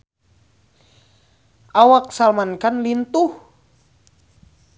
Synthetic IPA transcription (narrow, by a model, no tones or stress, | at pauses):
ʔawak̚salmankanlint̪uh